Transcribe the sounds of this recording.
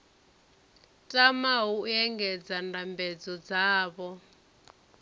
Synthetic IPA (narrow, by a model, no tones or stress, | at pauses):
tʼamaɦuɛŋɡɛd͡zandambɛd͡zɔd͡zaːβɔ